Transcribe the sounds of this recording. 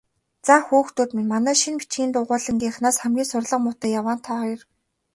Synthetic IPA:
t͡saːxuːxt̪uːt̪minmanæːʃinpi̥t͡ɕɡʲiːnt̪ʊːʁʊːɮə̆ŋɡʲiːχnaːsχæmɡʲiːnsʊrɮə̆qmʊt̪æːjawaːn̥t̪ʰɔːχɔjɞ̆r

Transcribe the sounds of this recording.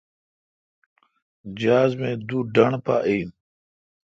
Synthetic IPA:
d͡ʑaːzmẽːd̪uːɖəɳpa̰ʔijm

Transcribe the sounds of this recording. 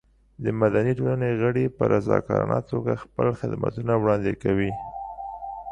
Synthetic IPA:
d̪əmad̪aniʈolaneɣəɽepəɾʔazɑ̰kɑɾanat̪oɡaxpəlxɪd̪ma̰t̪unawɽɑnd̪ekawi

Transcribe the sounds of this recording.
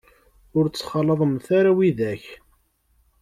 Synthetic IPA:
ʊɾt͡sːχɑlːəðˤəmθaɾawiðæç

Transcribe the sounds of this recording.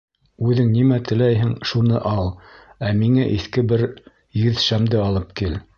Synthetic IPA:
ʉðɘŋnimæt̪ɘ̆læjɦɘŋʃunɤʔɑlˠæmiŋæʔiθkɘbɘɾ | jɵðʃæmd̪ɘɑlˠɤp̚kil

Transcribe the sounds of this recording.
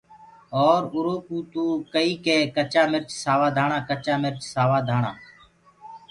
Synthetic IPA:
oːɾʊɾoːkuːt̪uːkəiːkeːkət͡ʃaːmɪɾt͡ʃsaːʋaːd̪ʱaːɳãːkət͡ʃaːmɪɾt͡ʃsaːʋaːd̪ʱaːɳãː

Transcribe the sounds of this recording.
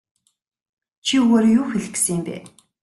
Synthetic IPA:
t͡ɕʰiuɣoːɾjuːxeɮɘ̆ksɘ̆empæ̰ː

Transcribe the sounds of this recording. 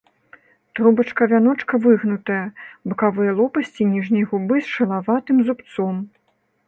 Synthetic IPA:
t̪ɾubɐt͡ʂkɐvʲanɔt͡ʂkɐvɨɣnut̪ɐjɐbɨkavɨjɐlˠɔpɐsʲt͡sʲinʲiʐnʲɐjɣubɨsʂɐlˠavat̪ɨmzupt̪sɔm

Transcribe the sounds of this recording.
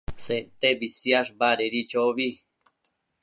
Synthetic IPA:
sent̪ebisjaʐbaɾeɾit͡ʃoβi

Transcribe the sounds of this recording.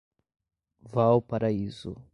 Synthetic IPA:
vawpaɾaizʊ

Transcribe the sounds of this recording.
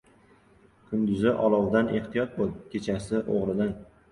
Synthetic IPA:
kʰʊnd̪ʊzɪʔɒlˠɒwd̪ane̞ht̪ʰijɒt̪̚bolˠkʲʰe̞t͡ʃʰasɪʔoʁɾɪd̪an

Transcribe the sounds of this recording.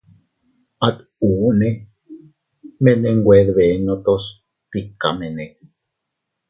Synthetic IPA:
at̪ | uːne | meneŋɡʷeðβenot̪os | t̪ikːa̰menek

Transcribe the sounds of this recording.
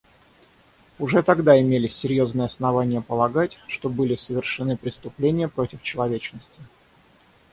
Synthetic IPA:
ʊʐɛt̪ɐɡd̪aɪmʲelʲɪsʲːɪɾʲjo̞znɨjəɐsnɐvanʲɪjəpəlˠɐɡatʲʂt̪o̞bɨlʲɪsəvʲɪrʂɨnɨpɾʲɪst̪ʊplʲenʲɪjəpɾo̞tʲɪft͡ɕɪlˠɐvʲet͡ɕnəsʲtʲɪ̥

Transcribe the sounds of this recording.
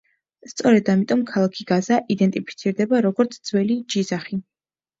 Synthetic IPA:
st̪sʼɔɾɛd̪amit̪ʼɔmkʰalˠakʰiɡazaʔid̪ɛnt̪ʼipʰi̥t̪sʰiɾd̪ɛbaɾɔɡɔɾt̪sʰd̪zwɛlid͡ʒizaχi

